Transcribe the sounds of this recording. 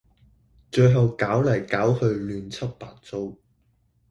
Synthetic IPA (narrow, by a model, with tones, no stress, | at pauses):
t͡ʃɵ˧ɥɦɐ˨wkaː˨˥wlɐ˨˩jkaː˨˥whɵ˧ɥlyː˨˧nt͡sʰɐ˥t̚paː˧t̚t͡so˥w